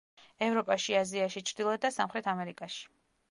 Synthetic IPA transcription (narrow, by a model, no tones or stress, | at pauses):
ɛvɾɔpʼaʃiaziaʃit͡ʃʰɾd̪ilˠɔd̪asamχɾɛt̪ʰamɛɾikʼaʃi̥